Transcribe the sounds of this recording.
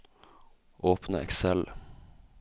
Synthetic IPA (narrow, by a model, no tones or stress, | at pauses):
ʔoːpnəɛ̰ksɛl